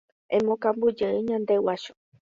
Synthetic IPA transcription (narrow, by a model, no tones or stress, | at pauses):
ẽmõkambud͡ʒeiɲãnd̪ewaʃo̥